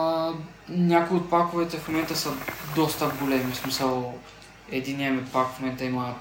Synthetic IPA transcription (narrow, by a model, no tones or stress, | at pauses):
nʲakʊiot̪̚pakʊvɛt̪ɛfmomɛnt̪əsəd̪ɔst̪əɡolɛmismisəlˠ | ɛd̪inːiɐmɛt̪pakfmomɛnt̪əimə